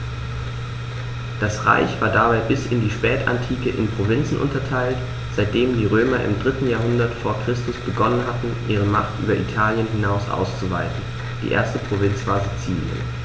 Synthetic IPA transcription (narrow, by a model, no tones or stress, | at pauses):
d̥asʁa̰ɪçv̥aːɐdabaɪbɪsɪndiːʃpɛːta̰ntʰiːkəʔɪnpʁ̥ovɪnt͡sn̩ʔʊ̰ntɐtʰaɪlt | z̥aɪt̚d̥eːmdiːʁ̞øːmɐʔɪ̰mdʁɪtn̩jaːɐɦʊndɐtfoːɐkʁ̥ɪstʊsb̥əɡɔnənɦatn̩ʔiːʁ̞əmaχtʔy̰ːbɐʔḭtʰaːljənɦɪnaʊsʔa̰ʊst͡suvaɪtn̩ | d̥ḭːʔḛːɐstəpʁ̥ovɪnt͡sv̥aːɐzit͡siːljə̰n